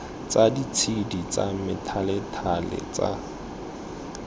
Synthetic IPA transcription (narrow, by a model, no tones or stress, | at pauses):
t͡sadit͡sʰidit͡sʼamɪtʰalɛtʰalɛ̰t͡sʼa̰